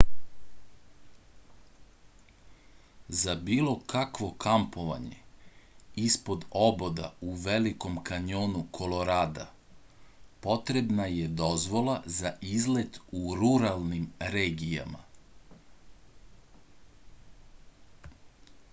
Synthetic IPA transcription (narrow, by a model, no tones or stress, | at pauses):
zabiːlˠo̞kakʋo̞kampo̞ʋa̰ɲe̞̰ | ispo̞d̪o̞bo̞d̪a̰uʋe̞liko̞mkaɲoːnukʰo̞lo̞ɾaːd̪a̰ | po̞t̪ɾe̞bnajed̪o̞zʋo̞lˠazaʔizlet̪uɾuɾalˠnimɾeːɡija̰ma̰